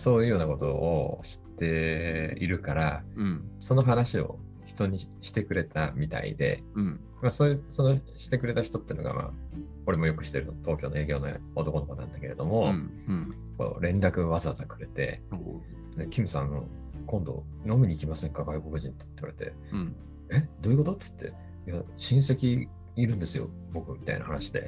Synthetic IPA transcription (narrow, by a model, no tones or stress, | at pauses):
so̞ːjɯ̟ːjoːnako̞t̪o̞̰ːɕi̥t̪ːe̞ḭɾɯ̟kaɾa | so̞no̞ɦanaɕio̞̰ | çi̥t̪o̞ɲ̟iɕi̥t̪e̞kɯ̟ɾe̞t̪amʲit̪a̰ḭd̪e̞̰ | masoːjɯso̞no̞ɕi̥t̪e̞kɯ̟ɾe̞t̪açi̥t̪o̞t̪ːei̟no̞ɡa̰mʔa̰ː | o̞ɾe̞mo̞jo̞kɯ̟̥ɕi̥t̪e̞ɾɯ̟not̪o̞ːkʲo̞ːnoe̞ːɡʲo̞ːno̰ | ot̪o̞ko̞noko̞nã̰nd̪ake̞ɾe̞d̪o̞mo̞ | ko̞̰ːɾẽ̞nɾakɯ̟βazaazakɯ̟ɾe̞t̪e̞̰ | d̪ekʲimɯ̟sãno̰kõ̞nd̪o̞̰ | no̞mʲiɲ̟iːkʲimasẽ̞ŋkaɡaiko̞kɯ̟ʑĩnt̪e̥i̥t̪ːeaɾet̪e̞̰ | ed̪o̞i̟ko̞t̪o̞t͡sɨ̥t̪ʰːe̞̰ | jaɕĩɰ̃se̞kʲiː | ɾɯ̟̃nd̪esɨjo̞̰ | bo̞kɯ̟mʲi̥t̪a̰ḭna̰hanaɕi̥d̪e̞̰